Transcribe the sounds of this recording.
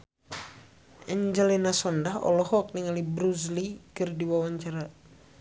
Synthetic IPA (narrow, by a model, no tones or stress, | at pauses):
ʔɛɲd͡ʒɛlɛnasɔndaɦɔ̰lɔhɔk̚niŋalibɾuzlikɨrdiwawaɲt͡ʃaɾa